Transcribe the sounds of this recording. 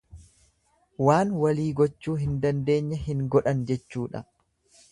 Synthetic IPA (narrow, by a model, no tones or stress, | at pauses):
waːnwɐliːɡɔt͡ʃːuːɦɪnd̪ɐnd̪e̞ːɲːɐhɪŋɡɔᶑɐnd͡ʒɛt͡ʃːuːᶑɐ̰